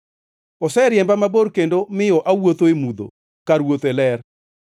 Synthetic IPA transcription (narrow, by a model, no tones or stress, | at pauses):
ɔsɛɾjɛmbamaboɾkendomɪjɔʔawot̪oemud̪o̰ | kaɾwot̪ɛlɛr